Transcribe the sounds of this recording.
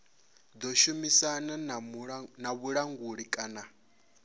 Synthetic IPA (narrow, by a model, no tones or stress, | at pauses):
d̪ɔʃumisana | naβuɺaŋɡuɺikʼana